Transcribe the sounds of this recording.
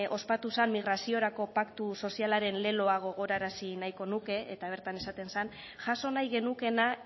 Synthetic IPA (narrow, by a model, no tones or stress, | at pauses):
ʔo̞spat̪usanmiɣ̞ɾasio̞ɾako̞pakt̪uso̞sialaɾe̞nle̞lo̞aɣ̞o̞ɣ̞o̞ɾaɾasinajko̞nuke̞et̪aβ̞e̞ɾt̪ane̞sat̪e̞nsan | ʝaso̞najɣe̞nuke̞na